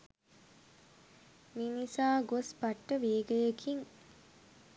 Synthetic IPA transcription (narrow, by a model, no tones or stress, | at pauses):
mimisaːɡospaʈːəʋeːɡəjəkʰiŋ